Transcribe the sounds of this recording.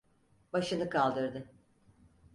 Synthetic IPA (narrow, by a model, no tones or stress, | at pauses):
baʃɯnɯkʰalˠd̪ɯɾd̪ɯ